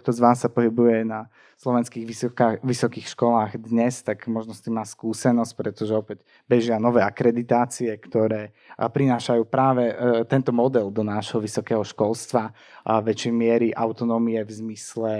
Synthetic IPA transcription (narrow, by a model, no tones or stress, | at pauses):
k̚t̪ɔzʋaːsːapɔɦibujɛna | slɔʋɛnskiːɣʋikaʋisɔkiːxʃkɔlaːɣd̪ɲɛst̪aɡmɔʒnɔst̪imːaːskuːsɛnɔsc̚pɾɛt̪ɔʒɛɔpɛɟ | bɛʒɪanɔʋɛːakɾɛd̪it̪aːt͡siɛkt̪ɔɾɛː | pɾinaːʃajuːpɾaːʋɛt̪ɛnt̪ɔmɔd̪ɛld̪ɔnaʒɦɔʋisɔkɛːɦɔʃkɔlst̪ʋa | ʋɛt͡ʃjɛjmɪɛɾiʔaʊt̪ɔnɔmiɛvzmislɛ